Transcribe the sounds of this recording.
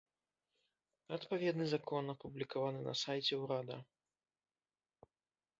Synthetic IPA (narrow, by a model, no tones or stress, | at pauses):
ɐt̪pavʲɛd̪nɨzakʰɔnɐpublʲikavanɨnɐ̰sajt͡sʲɛwɾad̪ɐ